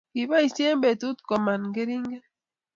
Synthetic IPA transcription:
ki˨βa˦i˨sje˦mbe˨tu˦tko˨ma˨n˨ŋɡe˦ɾi˦ŋɡe˦

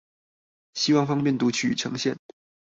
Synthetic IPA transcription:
ɕi˥wɑ˥˩ŋfɑ˥ŋpjnt̪u˧˥t͡ɕʰy̰˥˩˨ʈ͡ʂʰɤ˧˥ŋɕjɛ˥˩n

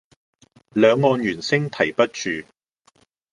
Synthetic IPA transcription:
lœː˨˧ŋːɔː˨˧njyː˨˩nsɪ˥ŋt̪ʰɐ˨˩jpɐ˥t̚t͡ʃyː˨

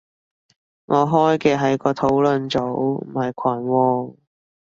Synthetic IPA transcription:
ŋɔː˨˧ɦɔː˥jkɛː˧ɦɐ˨jkɔː˧t̪ʰo˨˥wlɵ˨˧nt͡so˨˥wm̩˨˩hɐ˨˩jkʷʰɐː˨˩nwɔː˧

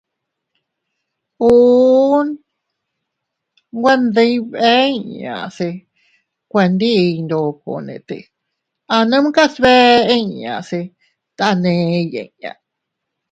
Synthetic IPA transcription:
u˧˦n | ɡʷa˧nd̪e˧jβe˦i˧ɲã̰˨se˧ | kʷe˧nd̪i˦˧nd̪o˨ko̰˨nḛ̃˨˧t̪e˧ | a˧nə̃˦m̃˦ka˦sβe˦ẽ˦˧ɲã̰˨se˧ | t̪a˧nẽ˧jḛ̃˧ɲã̰˧˨

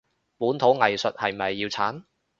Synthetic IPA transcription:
puː˨˥nt̪ʰo˨˥wŋɐ˨jsɵ˨t̚hɐ˨jm̩˩˨ɐ˨jːiː˧wt͡sʰaː˨˥n

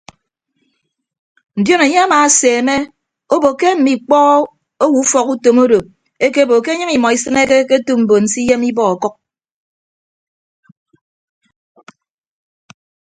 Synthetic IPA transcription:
n̩˨djo˦ne˨ɲe˦a˦ma˨˦seː˨me˦ | o˦bo˨kːe˦m̩˨mi˨k͡pɔː˦ | o˦wu˨˦u˦fɔ˨ku˦to˨mo˦do˨ | e˦ke˦˨bo˨ke˦ɲɨ˦ŋi˨mɔ˨i˦sɨ˦ne˦ke˦ke˦tu˦m̩˨bo˨n̩˨si˦je˦mi˦bɔ˦a˨kɔ˦k̚

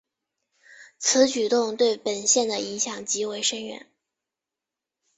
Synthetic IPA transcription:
t͡sʰɹ̩˧˥t͡ɕy˨˩t̪ʊ˥˧ŋt̪we˥˩ɪpə˨˩nɕjɛ˥˩nd̪ə˩i˧˥ŋɕjɑ˨˩ŋt͡ɕi˧˥we˧˥ɪʂə˥ŋɥɛ̰˧˥˦n

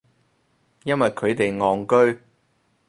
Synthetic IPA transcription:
jɐ˥nwɐ˨jkʰɵ˨˧ɥt̪e˨jŋɔː˨˩ŋkɵ˥ɥ

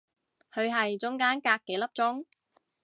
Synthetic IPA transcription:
hʰɵ˨˧ɥɦɐ˨jt͡sʊ˨˥ŋkaː˥nkaː˧kːe˨˥jlɐ˥p̚t͡sʊ˥ŋ

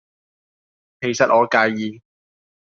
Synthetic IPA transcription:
kʰe˨˩jsɐ˨t̚ʔɔː˨˧kaː˧jːiː˨˧

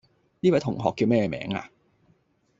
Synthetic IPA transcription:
niː˥wɐ˨˦jt̪ʰʊ˨˩ŋɦɔː˨kːiː˧wmɛː˥jɛː˧mɛ̰ː˨˥ŋa̰ː˧

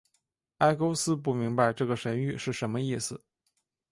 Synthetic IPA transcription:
a˥ɪko˥ʊsɹ̩˥p̬u˥˩mi˧˥ŋpa˧ɪʈ͡ʂɤ˥˩ɡə˩ʂə˧˥ny˥˧ʂɻ̩˥˩ʂə˧˥nmə˧i˥˩sɹ̩˨˩

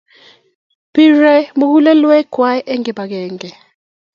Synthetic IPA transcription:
b̥i˦rɛ˦mu˦k̬u˦lɛ˦lwɛ˦ɡ̥ʱwa˦jʔɛ˦ŋɛ˨ɓa˨k̬ɛːŋɡɛ˨

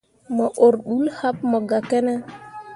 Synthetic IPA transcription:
mɔ˨ʔo˨ɾɗu˦lha˦p̚mɔ˨ɡa˨ke˦nɛ˦

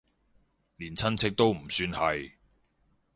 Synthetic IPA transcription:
liː˨˩nt͡sʰɐ˥nt͡sʰɪ˥k̚t̪o˥wm̩˨˩syː˧nhɐ˨j

